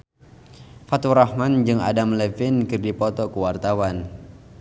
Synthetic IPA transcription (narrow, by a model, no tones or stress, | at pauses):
fat̪uɾahmand͡ʒɨŋa̰damlɛfɪnkɨrdipɔt̪ɔkuwart̪awan